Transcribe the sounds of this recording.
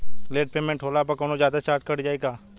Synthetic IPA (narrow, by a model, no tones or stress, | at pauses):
leːʈpeːmẽɳʈʰɦoːlaːpɐkoːnozjaːd̪at͡ʃaːɾʈkɐɽd͡ʒaːeːɡaː